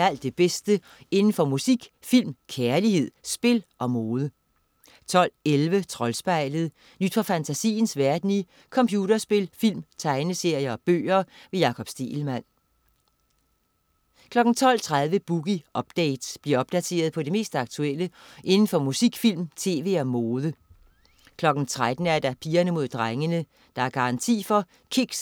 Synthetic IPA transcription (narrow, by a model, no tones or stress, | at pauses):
æl̰d̥e̝b̥esd̥ə | e̝nn̩fɒ̽musiɡ̥ | fil̰mkʰæɐlihe̝ð̞̰ˠsb̥e̝lʔɒ̽moːð̞ˠə | t͡sʰɒ̽l̰elʋət͡sʰʁɒ̽lsb̥ɑ̈ɪ̰ləð̞̩ˠ | nyd̥fɒ̽fænt͡sʰæsḭːnsʋæɐd̥ni | kʰɒ̽mpʰjuːd̥ɐsb̥e̝lfil̰mt͡sʰɑ̈ɪnəse̝ɐ̰jɐɒ̽b̥ø̰ːɐʋe̝jɑ̈ːkʰɒ̽b̥sd̥e̝̰ːl̩mæn̰ | kʰlɒ̽ɡ̥n̩t͡sʰɒ̽l̰t͡sʰʁað̞ˠʋəb̥uɡ̥iɒ̽b̥̚d̥eɪd̥sb̥liɐɒ̽b̥̚d̥æt͡sʰe̝̰ːɐð̞ˠpʰɒ̽d̥e̝me̝̰ːsd̥ɑ̈ɡ̥̚t͡sʰueləʔe̝nn̩fɒ̽musiɡ̥fil̰mt͡sʰe̝̰ːʋe̝ːɒmoːðˠə | kʰlɒ̽ɡ̥n̩t͡sʰʁad̥n̩æɐd̥ɑ̈pʰiːɐnəmo̝ð̞̰ˠd̥ʁaŋənə | d̥ɑ̈æɐɡ̥ɑ̈ʁɑ̈nt͡sʰḭːfɒ̽ | kʰiɡ̥s